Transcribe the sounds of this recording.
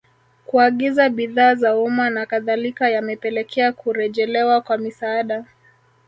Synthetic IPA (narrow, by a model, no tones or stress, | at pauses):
kuaɠizaɓiðaːzaumanakaðalikajamɛpɛlɛkʰɛakuɾɛʄɛlɛwakwamisaːɗa